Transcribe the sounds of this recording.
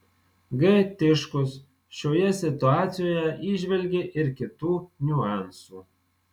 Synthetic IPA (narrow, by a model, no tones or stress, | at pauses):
ɡɐɪt̪ʲɪʃkʊs | ʃʲoːjɛsʲɪt̪ʊɑːt̪sʲɪjoːjɛʔiːʒʲʋʲɛlʲɡʲeʔɪɾkʲɪt̪uːnʲʊɑˑnsuː